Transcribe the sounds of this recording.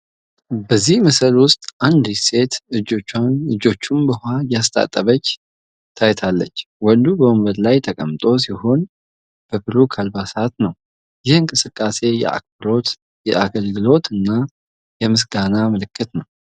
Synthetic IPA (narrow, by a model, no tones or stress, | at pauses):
bəzːihməsəlwʊst̪ʼʔand̪ise̞t̪ɨd͡ʒot͡ʃːanɨd͡ʒo̞t͡ʃːumbəhajast̪ʼa̰t̪ʼːəβət͡ʃː | t̪ʰajt̪ʰalːə̰t͡ʃːwɔnd̪ubəwumbəd̪lajt̪ʰəkʼəmt̪ʼo̞siho̞n | b̥əbɨɾukʰalbasat̪nəw | jɪhɨŋkʼɨsɨkʼːase̞jɛ̰ʔa̰bɾo̞t̪ | jɛʔaɡəlɡɨlo̞t̪ɨnːa | jɛmɨs̬ɡanamɨlɨkʰːɨt̪nəw